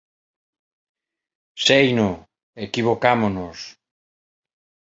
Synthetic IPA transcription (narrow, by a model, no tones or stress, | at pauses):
sejnʊ | ekiβokamonʊs